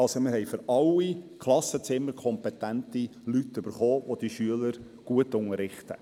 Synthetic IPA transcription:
ɑlsomɪɾɦɛjfʏɾɑlːikʰlˠɑsət͡sɪmːəɾkʰɔmpɛt̪æntilytːʏb̥əɾχoːʋod̥iʃyələɾ | ɡ̥uətʊŋəɾːɪχtə̰

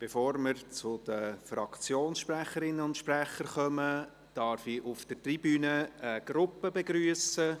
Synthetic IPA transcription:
b̥efoːɾməɾt͡sʊd̥̪əfrɑkt͡sjoːnsʃpræχəɾɪnːəʊntʃpræχəɾχœmə | d̥ɑɾfiʔʊfd̥ətribyːnəəɡ̥ɾʊpːəbeɡɾyːəsə

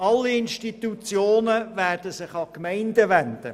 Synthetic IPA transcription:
ɑlːiɪnʃtit̪ut͡sjoːnəvæːrd̥əsɪχɑkmɛɪndəʋænd̥ə̰

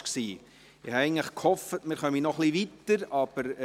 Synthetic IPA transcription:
ksiː | ɪhɑɛɪəŋ̩tləχkhɔfətmɪːɾχœminɔχliʋitəɾɑb̥əɾ

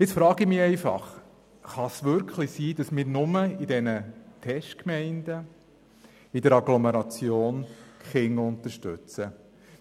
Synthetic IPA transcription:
ɪt͡sfɾɑːɡimɪɛɪfɑ̰χ | χɑsʋʏɾkʰlisiːd̥ɑsmɪːɾnʊməidɛnətʰɛʃtkmɛɪnd̥̪ə | idəɾɑɡlɔmɛɾɑt͡sjoːnkχɪŋʊnt̪əɾʃtʉ̰t͡sə

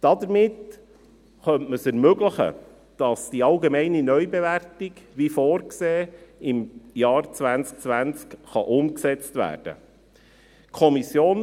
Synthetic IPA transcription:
d̥ɑd̪əɾmɪt | χœntməsɛɾmøɡləχə̰ | d̥ɑsd̥iɑlɡemɛɪninœʏbeʋærtiɡʋifoːɾkseːɪmjɑːɾt͡sʋænt͡sk̚t͡sʋænt͡skχɑʔʊmksɛt͡stʋæ̰ːrd̥ə̰ | kʰɔmisjoːn

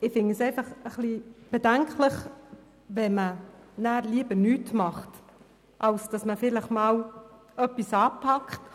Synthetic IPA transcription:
ɪfɪŋəseɪfɑχəχlib̥ɛdæŋkləχ | vɛmənæːɾliːbənyːtmɑχt | ʔɑlsd̥ɑsməfɪləχmɑːl | œpːisɑːpʰɑkχt

